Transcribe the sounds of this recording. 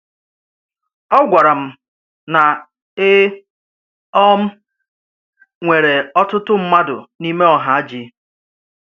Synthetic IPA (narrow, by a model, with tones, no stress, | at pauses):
ɔ˦ɡʷa˨ɾa˨m̩˨ | na˨ | ɪ˦ | ɔ˦m̩˦ | ŋʷe˨ɾe˨ɔ˦tʊ˦tʊ˦m̩˦ma˦dʊ̰˨ni˦me˦ɔ˨ɦa˨a˦d͡ʒi˦